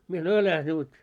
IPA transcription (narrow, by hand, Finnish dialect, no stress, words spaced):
mie sɑnoi ælæh nut